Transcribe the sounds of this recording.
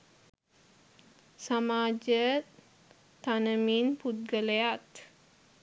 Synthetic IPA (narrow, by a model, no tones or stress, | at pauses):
samad͡ʒə | t̪anəminput̪̚ɡəleat̪